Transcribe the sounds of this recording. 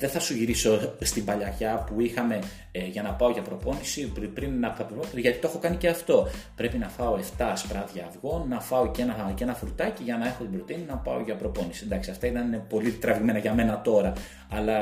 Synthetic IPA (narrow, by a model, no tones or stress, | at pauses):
ðe̞θɐsuʝiɾiso̞st̪imbɐʎɐʝɐpuixɐme̞ | ʝɐnɐpɐo̞ʝɐpɾo̞po̞nisipɾinːɐpppofʝɐt̪it̪oe̞xo̞kɐnice̞ɐft̪o̞pɾe̞pinɐfɐo̞e̞ft̪ɐspɾɐðʝɐvɣo̞nːɐfɐo̞ce̞nɐce̞nɐfuɾut̪ɐciʝɐnɐe̞xo̞t̪ibɾo̞t̪ininɐpɐoʝɐpɾo̞po̞nisiend̪ɐksiɐft̪ɐit̪ɐnnepo̞lit̪ɾɐviɣme̞nɐʝɐme̞nɐt̪o̞ɾɐː | lɐ